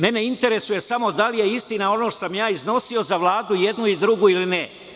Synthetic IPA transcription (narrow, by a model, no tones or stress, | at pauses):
me̞ne̞int̪e̞ɾe̞suje̞samo̞d̪alije̞ist̪inao̞no̞osamjaːizno̞sio̞zaʋlˠaːd̪uje̞d̪nuid̪ɾuɡuiline